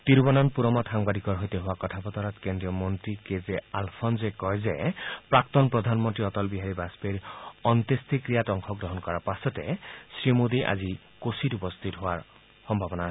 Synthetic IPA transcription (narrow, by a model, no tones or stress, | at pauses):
tiɹbɔnɔnpuɹɔmɔtxaŋbadʱikɔɹɦojteɦʊwakɔtʰapɔtɔɹɔtkendɹijɔmɔntɹikezɛalpʰɔnzekɔjzɛpɹak̚tɔnpɹɔd̪ʱanmɔntɹiɔtɔlbiɦaɹibaspeɹɔntestʰikɹijatɔŋkʰɔkɹɔɦɔnkɔɹaɹpasɔtɛsɹimod̪iʔa̰zi | kositupɔst̪ʰitɦʊwaɹ | xɔmbʱabɔna